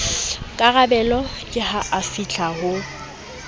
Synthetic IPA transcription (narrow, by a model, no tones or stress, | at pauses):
kʼaɣabɛlɔkʼɪhaʔafit͡ɬʰahʊ